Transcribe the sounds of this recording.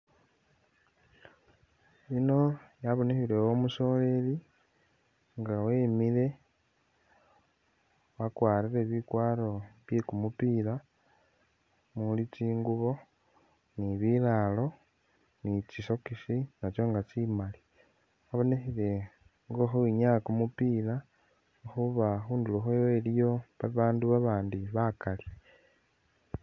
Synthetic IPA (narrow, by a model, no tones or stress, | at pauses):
ino̞jaβo̞nexiɾewomuso̞le̞li | ŋɡaweːmile̞ | wakwaːɾiɾe̞βikwaːɾo̞βjekumupiːla | mulitiːŋɡuβo̞ | niβilalo̞ | nit͡ʃiso̞kiʃinat͡ʃo̞ŋɡat͡ʃimali | waβo̞nexile̞ | ŋɡoxoiɲakumupiːla | xuβaxuːnduluxowelijo̞βaβaːnduβaβaːndiβakali